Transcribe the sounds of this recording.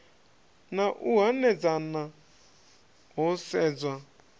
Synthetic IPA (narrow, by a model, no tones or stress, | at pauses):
naʔuɦanɛd͡zana | ɦosɛd͡zwa